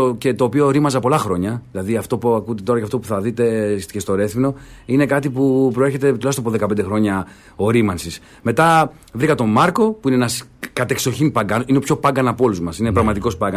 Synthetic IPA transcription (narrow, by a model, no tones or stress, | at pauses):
ce̞t̪o̞ːpio̞ɾimɐzɐpo̞lɐxɾo̞ɲɐðilɐðiɐft̪o̞puɐkut̪et̪o̞ɾɐcɐft̪o̞puθɐðit̪e̞scest̪o̞ɾe̞θimno̞ine̞kɐt̪ipupɾo̞eçe̞t̪e̞t̪ulɐçst̪ɐpoðe̞kɐpend̪e̞xɾo̞ɲɐ | o̞ɾimɐnsis | me̞t̪ɐ | vɾikɐt̪o̞mɐɾko̞puineenɐskɐt̪e̞kso̞çimpɐŋɡɐninepço̞pɐɡɐnɐpo̞luzmɐsinepɾɐɣmɐt̪iko̞spɐɡɐ